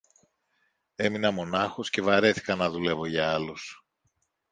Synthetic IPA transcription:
e̞minɐmo̞nɐxo̞sce̞vɐɾe̞θi̥kɐnɐðule̞vo̞ʝɐɐlus

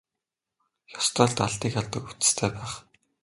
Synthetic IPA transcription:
jɔ̥st̪rɔːɮt̪aɮt̪iːkaɮt̪ə̆ku̥t͡s̆st̪ʰeːpæːχ

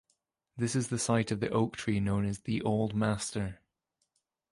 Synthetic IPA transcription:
ðɪsɪzðəsaɪʔəvðiʔoʊk̚tʰɹ̥inõʊ̃nəzðiʔoʊlˠd̚mastə˞

